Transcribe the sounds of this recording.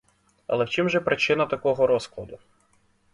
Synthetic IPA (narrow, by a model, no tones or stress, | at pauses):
ɐ̰lˠɛwt͡ʃimʒɛpɾʔɪt͡ʃɪnɐt̪ɐkɔɦɔɾɔsklˠɐd̪ʊ